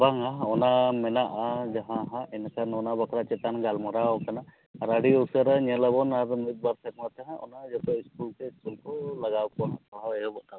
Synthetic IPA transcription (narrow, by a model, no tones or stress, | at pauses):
baŋaɦɔnamɛnaʔad͡ʒaɦãɦãɛnakanɔnabakʰɾat͡ʃɛt̪anɡalmɔɾawkana | ɾaɽiosaɾaɲɛlabɔnaɾmit̪̚baɾsak̚mat̪aɦãʔɔ̰nad͡ʒɔt̪ɔiskulkɛiskulkɔlaɡawkɔɦãt̪ɔaɛɔbɔʔt̪a